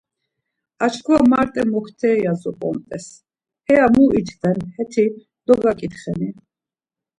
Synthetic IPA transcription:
at͡ʃʰkʰuvamaɾt̪ʼɛmɔkʰt̪ʰɛːjazɔpʼɔ̰mt̪ʼɛs | hɛamuit̪ʰd̪ɛnhɛt̪ʰi | d̪̥ɔɡakʼit̪χɛni

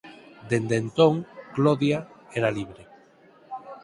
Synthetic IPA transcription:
d̪end̪ent̪oŋkloðjaeɾaliβ̞ɾe

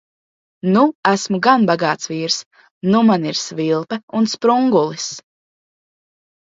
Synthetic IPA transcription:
nuæsmuɡanbaɡaːt̪svʲiːɾs | numaniɾsvilˠpɛunspɾuŋɡulˠis

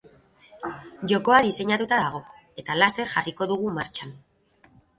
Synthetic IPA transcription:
ʝo̞ko̞aðise̞ɲat̪ut̪aðaɣ̞o̞ | e̞t̪alast̪e̞ɾʝariko̞ðuɣ̞umaɾt͡ʃan

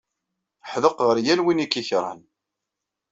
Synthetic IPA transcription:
ħðəqʁəɾjænwinikːiçɾˤɑ̰n

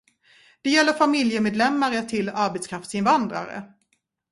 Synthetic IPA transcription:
d̪̥ɛjɛlːəɾfamɪljəmeːd̪lɛmːaɾət̪ʰɪlːaɾbɛt̪skʰɾaft̪sɪnvand̪ɾa̰ɾə̰

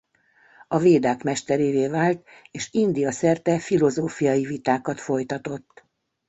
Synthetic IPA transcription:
ɒveːd̪aːkmɛʃt̪ɛɾeːveːvaːlt̪ | eːʃind̪ijɒsɛrt̪ɛfilo̞zoːfijɒjivit̪aːkɒt̪fo̞jt̪ɒt̪o̞t̪ː

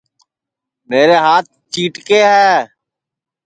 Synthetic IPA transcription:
meːɾeːɦaːt̪̚t͡ʃiːʈkeːɦɛː

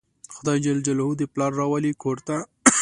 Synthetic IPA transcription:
xʊd̪ɑjd͡ʒald͡ʒalhud̪əplɑɾːɑwalikʰoɾt̪a

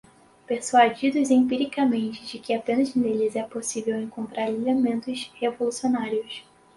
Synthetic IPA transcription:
peɾsuad͡ʒid̪ʊzẽpiɾikɐmẽnt͡ʃɪ̥d͡ʒɪkɪapẽnɐz̃nd̪elizɛɐposivewẽŋkõnt̪ɾaɾelemẽnt̪ʊshevolusionaɾiʊs

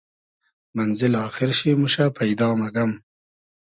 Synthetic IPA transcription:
manzɪlɑːxɪɾʃemuʃapajd̪ɑːmaɡam

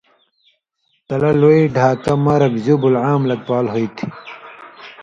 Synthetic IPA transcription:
t̪ɐlɐloiɖʱaːkɐmɐɾɐkzubulʕaːmlɐk̚paːlɦojt̪ʰi̥

